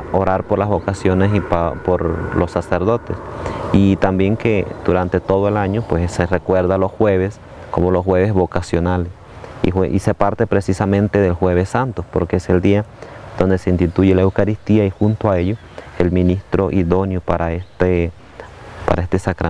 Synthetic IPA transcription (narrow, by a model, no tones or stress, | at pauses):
oɾaɾpoɾlazβo̞kasjo̞nesipapoɾlo̞saseɾðo̞t̪ḛsit̪ambje̞ŋked̪̥uɾant̪e̞t̪o̞ðoelaɲopwesserekwe̞ɾðalo̞sxwe̞β̞e̞s | komo̞losxwe̞βe̞zβo̞kasjo̞nales | ḭweʔise̞paɾt̪e̞pɾesisamẽnt̪e̞ðe̞lxweβe̞sant̪ospoɾkeese̞ld̪iad̪̥o̞nd̪e̞se̞inst̪it̪uʝe̞laewkaɾist̪iaixunt̪oae̞ʎo | elmĩnist̪ɾo̞ʔiðo̞njopaɾaest̪e | pa̰ɾaest̪esakɾa